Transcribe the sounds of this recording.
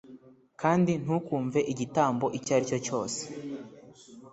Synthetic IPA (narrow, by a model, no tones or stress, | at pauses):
kaːndin̥hukuːɱve̞ʔiɟitaːmbo̞ʔicaɾico̞co̞ːse̥